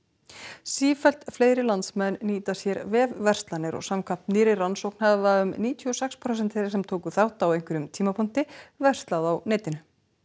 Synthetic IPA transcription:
siːfɛl̥t̪fleːjɾɪlant̪smɛnːiːt̪asjɛɾvɛːðvɛr̥st̪lanɪɾɔ̰ɣsamkʰam̥t̪niːɾɪransowknhaðvaʏmniːt̪ʰiɔsɛkspʰɾowsɛnt̪ʰɛɾɪsɛmt̪ʰoːwkʏθawht̪awejŋ̥kʏɾʏmt̪ʰiːmapʰun̥t̪ɪvɛr̥st̪laðawnɛːt̪ɪnʏ

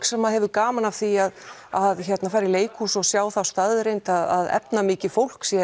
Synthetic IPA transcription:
ksɛmːaɦɛvʏkaːmanav̥θiað | aðçɛt̪nafaːjɾɪleːjkʰhusɔɣsjaːwθawst̪aðʏɾejnt̪aða̰ðɛ̰pnamɪːcɪfowl̥ksjɛ

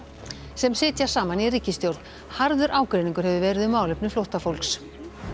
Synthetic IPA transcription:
sɛmsɪːt̪jḁsaːmaniriːcɪst̪jowɾt̪n | haɾðʏɾʔaːwkɾeɪniŋkʏɾ̥hɛvʏvɛːɾɪðʏmːaːwlʏpnʏflowht̪afowlks

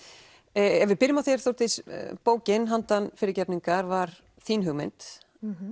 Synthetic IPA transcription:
ɛvɪðpɪɾjɪmawθjɛɾ̥θowɾ̥t̪ɪspoːwcɪnɦant̪anfɪːɾɪɾcɛpniŋkaɾvaɾ̥ | θiːnɦʏɣmḛjnt̪

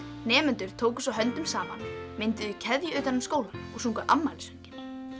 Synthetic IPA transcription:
nɛːmʏnt̪ʏɾ̥t̪ʰoːwkʏ̥sawɦœnt̪ʏmsaːma̰nmɪnt̪ʏðicʰɛðjʏœɥt̪anʏmskoːwlanɔɣsuŋkʏʔamːalɪsœɲcɪn̥

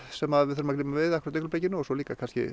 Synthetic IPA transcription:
sɛmaðvɪðθœɾmaklɪːmavɪðakʰvɾt̪eklpɾejcɪnːʏɔsɔliːkakʰanscɪ̰

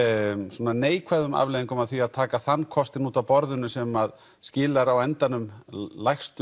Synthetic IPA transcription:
sɔnaneːjkʰvaðʏma̰vljðiŋkʏmaðθviaðt̪ʰaːkaθanːkʰɔst̪ɪnuːt̪awpɔɾðʏnʏsɛmað | scɪːlaɾawɛnt̪anʏmlajxst̪

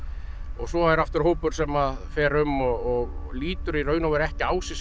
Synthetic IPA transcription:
ɔɣsɔajɾaft̪ʏɾ̥hoːwpʏɾ̥sɛmaðfɛːɾʏmɔɣɔɣliːt̪ʏɾiɾœɥnavɛɾɛhcɪaːwsɪs

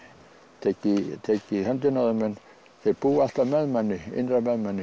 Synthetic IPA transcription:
t̪ekit̪ʰekːˑihɑnt̪ynoemen | sepuːɑst̪ɑmæmæniḭnæmæmːæni

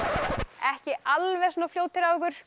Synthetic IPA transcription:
ɛhcɪalvɛsoːnafljoːwt̪ʰɪɾavɪkʏɾ̥

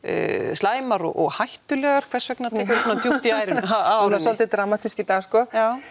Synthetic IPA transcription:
slaːjmaɾɔ̰ɣɔ̰ɣhajht̪ʏlɛːɣaɾ̥kʰv̥ɛr̥svɛknat̪ʰɛːkʏɾsuːnat̪ʰjuht̪iaːjɾɪnnaanasɔlt̪ɪd̪ɾamat̪iscɪt̪askɔjaːw

